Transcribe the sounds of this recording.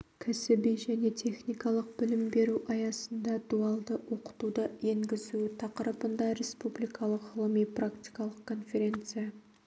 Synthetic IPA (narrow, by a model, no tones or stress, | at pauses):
kʲʰæsɪbijʒæne̞t̪ʲʰe̞χnijkɑlˠəq̚bɪlɪmbe̞ɾuʔɑjɑsənd̪ɑd̪uɑlˠd̪əwʔo̞qə̥t̪ud̪əjeŋɡʲɪzut̪ʰɑqəɾəpənd̪ɑɾʲe̞spublijkʰɑlˠəqʁəlˠəmijprakt̪ijkɑlˠəqkʰo̞nfe̞ɾʲe̞nt̪sɨja